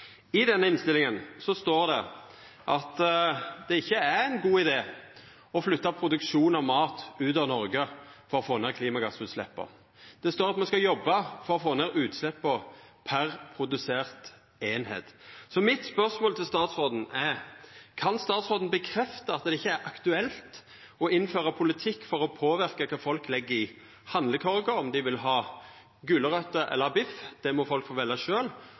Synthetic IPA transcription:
ɪd̪ɛnːəɪnst̪ɪlɪŋənsɔst̪oːɾd̪ɛ | ʔɑt̪d̪̥ɛɪçːəæɛɪnɡuːɪd̪eː | ɔflʏt̪ːɑpʰɾʊd̪ʉkʃuːnɑʋmɑːt̪ʉːt̪ɑʋnɔɾɡəfɔɾɔfoːneːɾkʰliːmɑɡɑsʉːt̪slɛ̰pːɔ̰ | d̪̥ɛst̪oːɾɑt̪mɛnskɑjɔbːɑfɔɾɔfoːneːɾʉːt̪slɛpːɔpʰæɾpʰɾʊd̪ʉseːʁt̪ | eːnhḛːt̪sɔmɪt̪spœʁsmoːlt̪ʰɪlst̪ɑːt̪sʁoːd̪n̩ɛɾkʰɑnst̪ɑːt̪sʁoːd̪n̩bəkʰɾɛft̪əɑt̪d̪ɛɪçːəæɾʔɑkt̪ʉɛlt̪ | ɔɪnːføːɾɑpʰʊlɪt̪ʰɪkːfɔʁɔpʰoːʋɪʁkɑkʰɑːfɔlklɛɡːəɾɪ | hɑnd̪ləkʰɔʁɪkɑɔmd̪ɪʋɪlɦɑː | ɡʉːləɾœt̪ːəʔɛ̰lːəbɪfd̪̥ɛmɔfɔlkfoːʋɛlːɑʃøːl

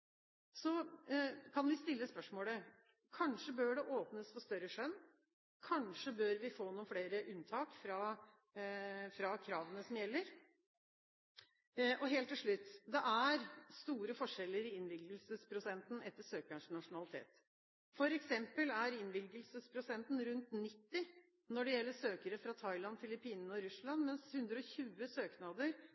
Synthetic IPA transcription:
sɔ | kʰɑnʋɪst̪ɪlːəspœʂmoːlə | kʰɑnʂəbøːɖɛʔoːpnəsfɔst̪œɾəʂœnː | kʰɑnʂəbøːɾʋɪfoːnuːənfɽeːɾəʔʉnt̪ʰɑːkfɾɑ | fɾɑkʰɾɑːʋənəsɔmjɛlːəɾ | ɔɦeːlt̪ːɪlʂɭʉt̪ːd̪ɛʔæɾst̪uːɾəfɔʂɛlːəɾɪɪnʋɪlɡəlsəspʰɾʊsɛnt̪n̩ɛt̪ːəʂøːkəɳʂnɑʂʊnɑlɪt̪ʰḛːt̪ | fɔɾɛksɛmpəlæɾɪnʋɪlɡəlsəspʰɾʊsɛnt̪n̩ɾʉnt̪nɪt̪ːɪ | nɔɖɛjɛlːəʂøːkəɾəfɾɑt̪ʰɑɪlɑnfɪlɪpʰiːnnɔɾʉslɑnmɛnshʉnd̪ɾəɔçʉːəsøːknɑd̪əɾ

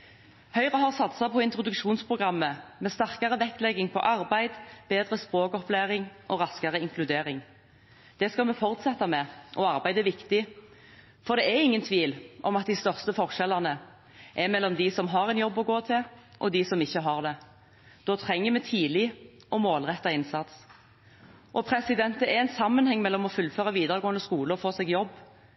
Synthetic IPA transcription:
hœʏʁəɦɑʁsɑt̪sɑpʰɔɪnt̪ʁʊd̪ʉkʃuːnspʰʁʊɡʁɑmːəmɛst̪æʁkɑʁəʋɛk̪lɛɡːɪŋpʰɔ̰ʔɑʁbæɪd̪b̥eːd̪ʁəspʁoːkɔplæʁɪŋʔɔʁɑskɑʁəɪŋklʉd̪eːʁɪŋ | d̪̥ɛskɑlmɛfɔʁt̪sɛt̪ːɑmɛʔɔɑʁbæɪd̪ɛʋɪkt̪ɪ | fɔʁd̪ɛæʁɪŋːənt̪ʰʋiːlʔɔmɑt̪̚d̪ɪst̪œʁst̪əfɔʁʃɛlːɑnə | ʔɛmɛlːɔmd̪ɪsɔmɦɑːɾɛnjɔbːɔɡoːt̪ʰɪlʔɔd̪ɪsɔmɪçːəɦɑʁd̪ɛ | d̪̥oːt̪ʰʁɛŋːəmɛt̪ʰiːlɪ | ʔɔmoːlʁɛt̪ːɑɪnsɑt̪s | ʔɔpʰʁɛsɪd̪ɛnt̪ɛɛɛnsɑmːənhɛŋːmɛlːɔmɔfʉlføːʁɑʋiːd̪əʁəɡoːənd̪əskuːləɔfoːsɛːɡjɔbː

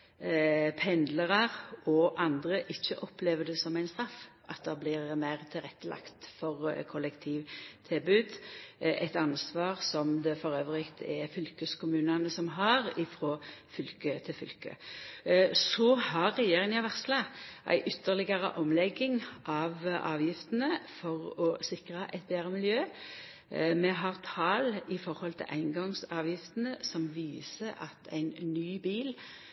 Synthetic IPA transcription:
pʰɛnd̪ləʁɑʁɔʔɑnd̪ɾəʔɪçːəʔɔpleːʋəd̪ɛsɔmæɪnst̪ɾɑfːʔɑt̪̚d̪ɑblɪʁmæɪʁt̪ʰɪlʁɛt̪ːəlɑ̰kt̪fɔʁkʰʊlɛkt̪ʰiːʋt̪ʰɪlbʉːd̪ʔɛt̪ɑnsʋɑːʁsɔmd̪ɛfɔɾøːʋəʁɪkt̪ʰɛfʏlkəskʰʊmʉːnɑnəsɔmɦɑʁɪfɾoːfʏlkət̪ʰɪlfʏ̰lkə̰ | sɔhɑɾːɛjeːɾʁɪŋɑʋæʁt̪slɑʔæ̰ɪʔʏt̪ːəʁlɪɡɑɾə̰ʔɔmlɛɡːɪŋʔɑʋʔɑ̰ːʋjɪft̪ənəfɔʁɔsɪkʁəʔɛɪt̪̚beːɾəmɪljøː | mɛɦɑʁt̪ʰɑːlɪfɔɾhɔlt̪ʰɪ̰lʔæ̰ɪnɡɑŋsɑːʋjɪft̪ənəsɔmʋiːsəɑt̪ʰæ̰ɪnnyːbiːl

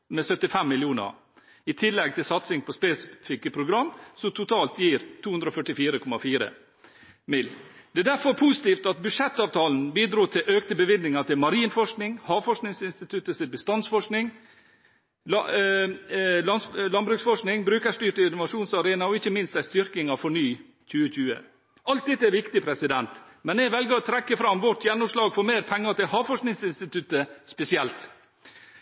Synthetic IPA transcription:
mɛsœt̪ːɪfɛmːɪljuːnə̰ɾ | ɪt̪ʰɪlːɛɡ̚t̪ʰɪlsɑt̪sɪŋpʰɔspɛsɪfɪkəpʰɾʊɡɾɑmːsɔmt̪ʰʊt̪ʰɑːlt̪jiːɾt̪ʰuːʉnd̪ɾɔfœʈɪfiːɾəkʰɔmɑfiːɾə̰ | mɪlːd̪̥ɛd̪æɾfɔɾpʰusɪt̪iːft̪ɑt̪̚bʉdʂɛt̪ːɑːʋt̪ʰɑːln̩biːd̪ɾuːt̪ʰɪlʔøːkt̪əbəʋɪd̪nɪŋɑt̪ɪlmɑɾiːnfɔʂknɪŋhɑːʋfɔʂknɪŋsɪnst̪ɪt̪ʰʉt̪ːəsɪbəst̪ɑnsfɔʂknɪŋ | lɑnslɑnbɾʉːksfɔʂknɪŋbɾʉːkəʂʈyːʈəɪnɔʋɑʂuːnsɑɾeːnɑɔɪçːəmɪnst̪æɪst̪ʏɾkɪŋɑfɔɳyː | c͡çʉːəc͡çʉːə̰ | ʔɑlt̪̚ɛt̪ːəæɾʋɪkt̪ɪpʰɾɛsɪd̪ɛnt̪ | mɛnɛʋɛlɡəɾɔt̪ʰɾɛkːəfɾɑmʋɔʈːjɛnːʊmʂlɑːɡfɔɾmeːɾpʰɛŋːɑt̪ɪlhɑːʋfɔʂknɪŋsɪnst̪ɪt̪ʰʉt̪ːəspɛsɪɛlt̪

